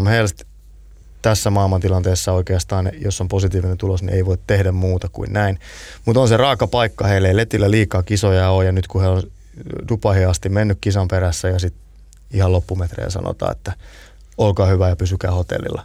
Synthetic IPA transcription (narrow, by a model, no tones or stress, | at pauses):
mhelst̪ | t̪æsːæmɑilmɑnt̪ilɑnt̪eːsːɑoikeɑst̪ɑːnḛjosːomposit̪iːʋinent̪ulosnḭʔḛiʋoit̪t̪ehdæmmuːt̪ɑkṵinnæinmut̪onserɑːkɑpɑikːɑheilːeilet̪ilːæliːkɑːkisojɑojɑnyt̪kuheon | dupɑhiɑst̪imenːykkisɑmpeɾæsːæjɑsit̪ | ihɑlopːumet̪rḛːnsɑ̰no̰t̪ɑ̰ːḛt̪ːæ | olkɑːhyʋæjɑpysykæːhot̪ḛlːḭlːɑ̰